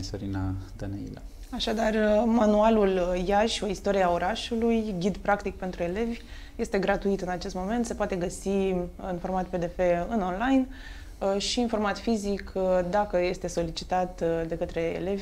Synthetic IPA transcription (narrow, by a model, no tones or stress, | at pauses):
soɾinad̪̥anḛḭla | aʃad̪armanualuljaʃʲo̞ist̪o̞ɾieao̞ɾaʃulujɡʲid̪pɾakt̪ik̚pe̞nt̪ɾue̞le̞vʲ | je̞st̪e̞ɡɾat̪uit̪ɨnat͡ʃe̞st̪mo̞me̞nt̪se̞poat̪e̞ɡəsiɨnfo̞rmat̪̚pe̞d̪e̞fe̞ɨno̞nlajn | ʃiːnfo̞rmat̪fizikd̪akəje̞st̪e̞so̞lit͡ʃit̪at̪d̪e̞kət̪ɾe̞̰ːle̞vʲ